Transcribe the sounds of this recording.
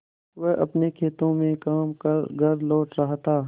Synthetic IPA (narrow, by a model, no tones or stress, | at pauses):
ʋɛɦʔɐ̰pnekʰeːt̪õmẽkaːmkɐɾɡʱɐɾloːʈɾɐɦt̪aː